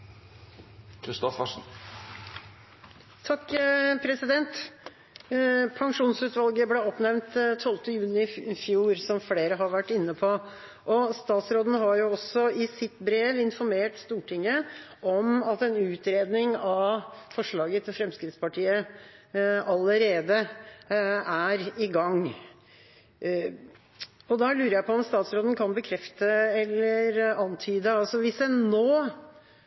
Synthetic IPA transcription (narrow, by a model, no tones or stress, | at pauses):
kʰɾɪst̪ɔfəʂn̩ | t̪ʰɑkːpʰɾɛsɪd̪ɛnt̪ | pʰɑŋʂuːnsʉːt̪ʋɑlɡəblɛɔpnɛʋnt̪t̪ʰːɔlt̪əjʉːnɪɪfjuːɾsɔmfleːɾəɦɑɾʋæʈːɪnːəpʰɔ | ʔɔst̪ɑːt̪sɾoːd̪n̩ɦɑɾjʊɔsɔɪsɪt̪bɾeːʋɪnfɔɾmeːʈst̪uːʈʰɪŋːəʔɔmɑt̪ɛnʉːt̪ɾeːd̪nɪŋɑʋfɔʂɭɑːɡət̪ʰɪlfɾɛmskɾɪt̪spɑʈʰiːə | ɑləɾeːd̪ə | æɾɪɡɑŋː | ɔd̪ɑlʉːɾəjæɪpɔɔmst̪ɑːt̪sɾoːd̪n̩kʰɑnbəkʰɾɛft̪əɛlːəɾɑnt̪ʰyːd̪əɑlsɔʋɪsɛnnoː